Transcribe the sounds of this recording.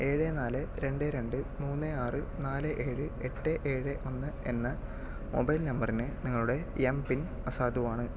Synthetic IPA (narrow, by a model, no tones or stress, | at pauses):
e̞ːɻenaːlɨɾe̞ɳɖeɾe̞ɳɖɨmuːnːɨaːrɨnaːlɨʔe̞ːɻɨeʈːeʔeːɻeʔonːɐe̞nːɐ | mo̰bɐjlnɐmbɐrinɨniŋːɐɭuɽe̞empin | ɐsaːd̪uʋaːɳɨ